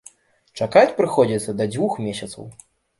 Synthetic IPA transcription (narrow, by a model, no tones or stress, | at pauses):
t͡ʂakat͡sʲpɾɨxɔd͡zʲit̪sːɐd̪ɐd͡zʲvuxmʲesʲɐt̪sɐ̰w